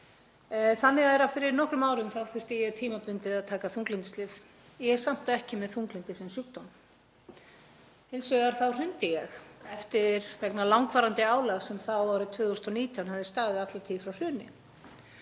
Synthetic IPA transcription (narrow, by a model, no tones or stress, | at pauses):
θanːɪɣaɛɾafɪɾɪɾnɔhkɾʏmaːwɾʏmθawθʏr̥t̪ɪjɛɣt̪ʰiːmapʏnt̪ɪðaðt̪ʰaːkaθuŋklɪnt̪ɪ̥st̪lɪv | jɛɣsam̥t̪aɛhcɪmɛðθuŋklɪnt̪ɪsɛnsukt̪ɔwn | ɪnsvʏɣaɾ̥θawr̥ʏnt̪ɪjɛxɛft̪ɪɾvɛknalawŋkvaːɾant̪ɪaːwlaɣsɛmθawvaɾʏt̪ʰvʏːðust̪ɔniːt̪ʰjanhavðɪst̪aːɣðɪðat̪lat̪ʰiːðfɾawr̥ʏːnɪ̰